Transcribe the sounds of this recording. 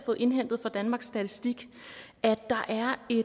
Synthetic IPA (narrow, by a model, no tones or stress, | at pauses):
fɔ̽ːð̩ˠe̝nɦen̰d̥ð̩ˠfɒd̥ænmɑ̈ɡ̥sːd̥æt͡sʰisd̥iɡ̥ | æ̥ɑ̈ʔæɐe̝